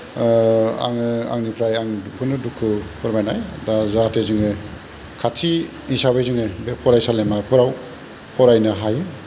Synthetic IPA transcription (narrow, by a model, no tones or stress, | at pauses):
a̰ŋɯa̰ŋnipʰɾajaŋukʰɯnɯdukʰːɯpʰɯɾmajnajdazatʰezɯŋɯ | kʰatʰi | isabajzɯŋɯbepʰɔɾajsalemapʰɔɾaw | pʰɔɾajnɯɦaj